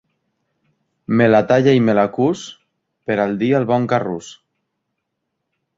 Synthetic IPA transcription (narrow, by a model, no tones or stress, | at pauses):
melat̪aʎaimelakus | peɾald̪ialβɔŋkarus